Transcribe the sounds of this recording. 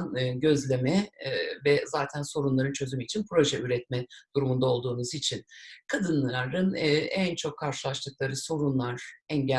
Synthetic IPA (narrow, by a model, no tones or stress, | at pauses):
nɯɟø̞zlʲe̞mɛvɛzaːt̪ʰænso̞ɾunlˠaɾɯnt͡ʃʰø̞zymyit͡ʃʰinpʰɾo̞ʒɛyɾɛt̪̚mɛd̪̥uɾumund̪ao̞lˠd̪uːnuzit͡ʃʰinkʰad̪ɯnlˠaɾɯnɛnt͡ʃʰo̞kʰːaɾʃɯlˠaʃt̪ˠɯk̚lˠaɾɯso̞ɾunlˠaɾ̥ɛɲɟæ